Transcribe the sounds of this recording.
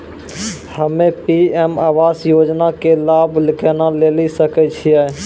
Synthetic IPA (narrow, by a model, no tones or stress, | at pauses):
həmepiemawasjod͡ʒnakelablɪkenalelisəkɛt͡ʃʰijɛ